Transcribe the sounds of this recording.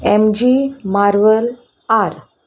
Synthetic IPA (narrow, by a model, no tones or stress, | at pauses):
emd͡ʑimaɾʋəl | aɾ